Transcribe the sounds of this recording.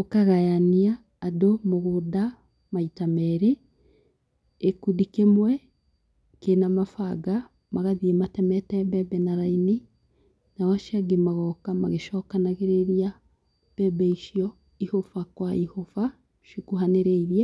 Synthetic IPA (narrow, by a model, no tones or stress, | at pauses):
okaɣajaniaː | domoɣoda | maitamɛɾe | kudikemwɛ | kenamafaɡa | maɣaðiɛmatɛmɛtɛbɛbɛnaɾaini | nawaʃaɡemaɣɔkamaɣeʃɔkanaɣeɾeɾja | b̥ɛbɛiʃiɔ | ihofakwaihofa | ʃikuɦaneɾɛiɾjɛ